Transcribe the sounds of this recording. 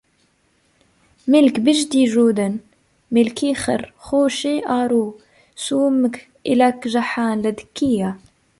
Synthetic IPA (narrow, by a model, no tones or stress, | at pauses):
mɪlkbɪʒd̪iʒuːd̪an | mɪlkixɪ̰ɾxuːʃiʔaːɾuː | suːmk | ʔɪlakʒaħaːnlad̪kːija